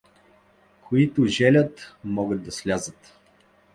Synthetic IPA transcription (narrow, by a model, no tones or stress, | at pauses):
kʰoit̪ʊʒɛlʲət̪mɔɡəd̪̚d̪ɐslʲazət̪